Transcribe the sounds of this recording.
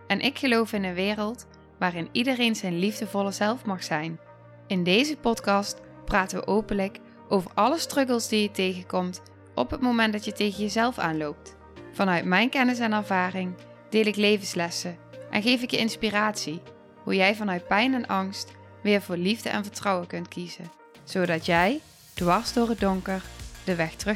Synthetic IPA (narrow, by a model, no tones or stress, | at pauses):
ɛnʔɪkχəlowfɪnənʋɪːrəlˠt | ʋaːrɪnidərejnzɛjnlivdəvɔləzɛlˠfmɑχsɛjn | ɪndejzəpɔtkɑst | praːtəʋə̰ʔowpənlək | ʔowvəɹʔɑləstrɵkəlˠzdijətejɣəkɔmt | ʔɔ̰pɦətmowmɛntdɑtjətejɣənjəzɛlˠfa̰ːnlowp̚t | fɑnœɥtmɛjnkɛnɪs̬ɛnɛɹvaːrɪŋ | d̥ɪːlɪklejvənslɛsəʔɛ̰nχejfɪkjəɪnspiraːtsi | ɦujɛjvɑnœɥt̚pɛjnɛnʔɑŋst | ʋɪːɹvʊːɹlivdə̰ʔɛ̰nvəɹtrɑwəkɵntkizə̰ | z̥owdɑtjɛj | d̥ʋɑɹzdʊːɹəd̚dɔŋkəɹd̥əʋɛxtrɵ